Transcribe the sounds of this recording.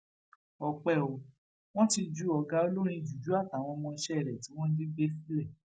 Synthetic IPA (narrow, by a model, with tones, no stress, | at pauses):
ɔ˨k͡pɛ˦˨o˨ | w̃ɔ̃˦ti˧d͡ʒu˨˦ɔ˨ɡa˧˦o˧lo˦ɾ̃ĩ˧˨d͡ʒu˨d͡ʒu˨˦a˦˨ta˨w̃ɔ̃˧mɔ̃˧ʃɛ˦ɛ˦˨ɾɛ˨ti˨˦w̃ɔ̃˦di˦be˦si˦lɛ˦˨